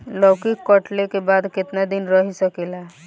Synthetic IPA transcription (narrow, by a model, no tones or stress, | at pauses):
ləwkikːəʈlekebad̪kɪt̪nad̪inɾəɦisəkelaɦ